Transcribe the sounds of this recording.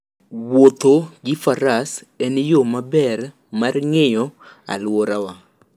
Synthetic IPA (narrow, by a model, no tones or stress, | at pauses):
wot̪oɡɪfaɾas | ɛnɪjomabɛɾ | marŋejɔ | a̰lwoɾawa